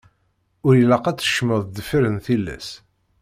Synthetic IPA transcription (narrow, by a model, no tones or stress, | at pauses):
ʊɾjəlæqæt͡sːə̥ʃəməðˤd̪əfəɾənθilːæ̰s